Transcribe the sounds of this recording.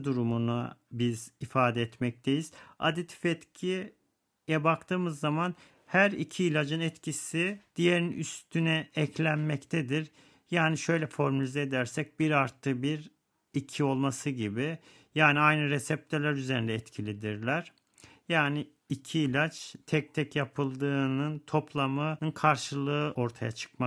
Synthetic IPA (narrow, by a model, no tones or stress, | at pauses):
d̪uɾumunabizifaːd̪ɛɛt̪mɛc̚t̪ʰejiz̥a̰d̪it̪ʰi̥fɛt̪cʰi | jɛbakt̪ʰɯːmɯzːaman | hæɾicʰiːlʲad͡ʒɯnɛt̪cʰisid̪̥ijeɾinyst̪ʰynɛɛclʲænmɛct̪ʰɛd̪iɾ | jaːniʃø̞jlʲɛfo̞ɾmalʲizɛed̪æɾsɛc̚biɾaɾt̪ʰːɯbiɾ | icʰio̞lˠmasɯɟibi | jaːniajnɯɾɛsɛp̚t̪ʰøɾlʲæɾyzeɾind̪ɛɛt̪cʰilʲid̪iɾlʲæɾ̥ | jaːniː | cʰiːlʲat͡ʃt̪ʰɛc̚t̪ʰɛcjapʰɯlˠd̪ɯːnɯnt̪ʰo̞pʰlˠamɯnɯnkʰaɾʃɯlˠɯʔo̞ɾt̪ʰajat͡ʃʰɯ̥kma